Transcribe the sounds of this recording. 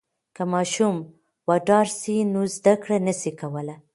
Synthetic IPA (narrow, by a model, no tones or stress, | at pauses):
kəmɑʃum | wɑʈɑɾsinuzd̪akɽanəsikawəla